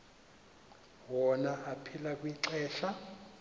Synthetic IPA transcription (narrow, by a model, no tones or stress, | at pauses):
wɔnaʔapʰilakʼwiǀɛːɬa